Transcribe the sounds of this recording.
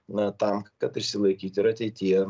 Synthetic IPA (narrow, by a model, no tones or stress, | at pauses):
nɐt̪ɐmkɐt̪ɪʃʲsʲɪlˠɐɪkʲiːt̪ʲɪɾɐt̪ʲɛɪt̪ʲijɛ